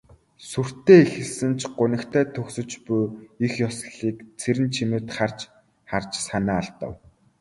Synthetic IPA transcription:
sur̥t̪eːexɘ̆ɮsɘ̆nt͡ɕʰɢʊnɘ̆kt̪ʰæːt̪ʰɵksɵ̆t͡ɕpʊjixjɔsɮiːkt͡sʰeɾɘ̆nt͡ɕʰimɘ̆t̪χar̥t͡ɕ | χart͡ɕsanaːaɮt̪ə̰̆w

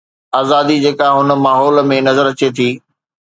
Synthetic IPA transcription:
aːzaːd̪id͡ʑeːkaɦʊn̆maːɦɔːlmẽnɐzəɾɐt͡ɕet̪ʰiː

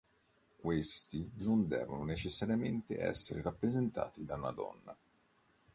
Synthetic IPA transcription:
kwest̪inond̪ɛ̰ːvononet͡ʃesːaɾjament̪ḛʔɛ̰sːeɾeɾapːɾezent̪a̰ːt̪id̪anad̪ɔ̰nːa̰

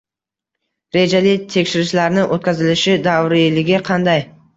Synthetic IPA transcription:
ɾe̞d͡ʒalɪt̪ʰe̞kʲʃɪɾɪʃlaɾnɪʔot̪kʰʲazɪlɪʃɪd̪awɾilɪɡʲɪqʰɑnd̪aj

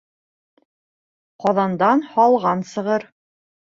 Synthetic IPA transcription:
qɑðɑnd̪ɑnhɑlˠʁɑnsɤ̆ʁɤɾ

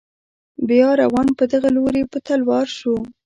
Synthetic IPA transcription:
bjɑɾawɑnpəd̪əɣaloɾepət̪alwɑɾʃu

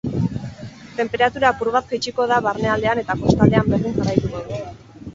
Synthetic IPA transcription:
t̪e̞mpe̞ɾat̪uɾapuɾβaskejt͡ʃiko̞ð̞aβaɾne̞ald̪e̞ane̞t̪ako̞st̪ald̪e̞amberðiŋɡarajt̪uɣoðu

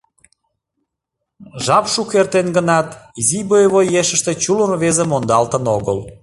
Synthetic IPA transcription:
ʒɑpʃukert̪enɡənɑt̪izibojβojeʃəʃt̪et͡ɕulənβezemond̪ɑlt̪ənoɣəl

